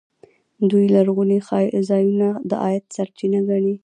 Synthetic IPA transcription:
d̪ujlaɾɣunexɑjzɑjunad̪əʔɑ̰jat̪saɾt͡ʃinaɡaɳi

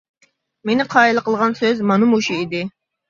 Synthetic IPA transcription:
menɪqʰɑilˠəqəlˠʁɑnsøzmɑnɨmuʃiid̪ɪ

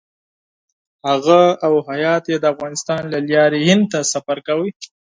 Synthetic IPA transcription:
haɣaawhajɑt̪jed̪əafɣɑnɪst̪ɑnlaljɑɾihɪnd̪̚t̪asafaɾkawəj

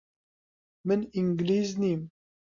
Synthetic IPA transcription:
məniŋɡliznim

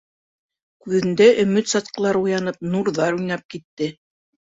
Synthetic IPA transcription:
kʉðɘ̆nd̪æʔɵ̆mɵt̪sɑt̪̚qɤ̆lˠɑɾujɑnɤp̚nuɾðɑɾujnɑp̚kit̪ːɘ

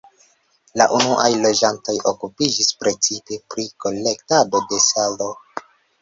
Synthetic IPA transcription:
laʔunuʔa̰jlo̞d͡ʒanto̞jʔo̞kupid͡ʒispɾe̞t͡sipe̞pɾiko̞le̞ktado̞de̞salo

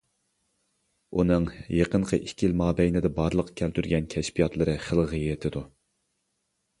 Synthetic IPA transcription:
unɨŋjeqəɴqʰəʔikʲilmɑːbɛjnɪd̪ɛbɑɾlˠəqkʲʰælt̪ʰyɾɡʲɛnkʲʰɛʃpijɑt̪lˠɨɾɨχəlˠʁijɪt̪ʰɪd̪u

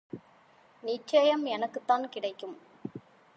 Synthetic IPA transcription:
nɪt͡ʃɐjɐmɛnɐkːɯt̪ːaːnkɪɽɐɪkːɯm

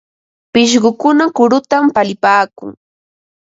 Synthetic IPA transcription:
pɪʃ̬ɢʊkʊnakʊɾʊt̪ampalɪpaːkʊ̰ŋ

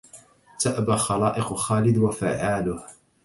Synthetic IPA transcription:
t̪aʔbaxɑlaːʔɪqxaːlɪd̪wafaʕaːlʊh

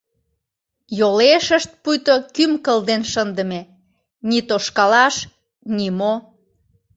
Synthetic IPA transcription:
joleʃəʃt̪̚pujt̪okymkəld̪enʃənd̪ə̆me | nit̪oʃkɑlɑʃ | nimo

